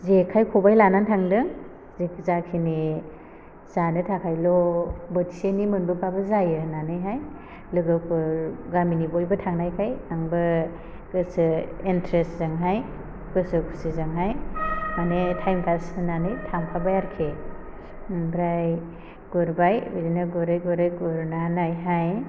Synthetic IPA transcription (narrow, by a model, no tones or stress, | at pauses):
zekʰajkʰobajlanantʰaŋdɯŋ | zekʰzakʰini | z̥anɯtʰakʰajlɔbɔti̥senimɯnbupʰabɯzajɯnanɯjɦaj | lɯɡɯpʰɯɾɡaminibojbɯtʰaŋnajkʰajaŋbɯ | ɡɯsɯintɾeszaŋɦaj | kɯsɯkʰu̥sizaŋɦajmanetʰajmkʰasɯnanɯjtʰaŋpʰabajaɾkʰe | ŋbɾaj | ɡ̥uɾbajbidinaɡuɾajɡuɾajɡuɾnanajɦaj